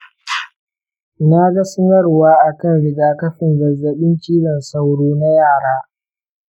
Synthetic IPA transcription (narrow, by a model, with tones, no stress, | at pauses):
na˦ɡɐ˦sʊ˦nɐ˦rwaː˦ʔa˨kɐ˦nɽɪ˨ɡaː˨kɐ˦ɸɪ˨ŋɡɐ˨zːɐ˨ɓɪ˦nt͡ʃiː˦zɐ˨nsa˦wɽoː˦na˦jaː˦˨ɽaː˦